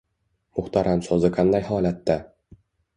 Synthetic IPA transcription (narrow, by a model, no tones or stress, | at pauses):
mʊχt̪ɑɾhamsɒzɨqʰɑnd̪ajhɒːlat̪ːa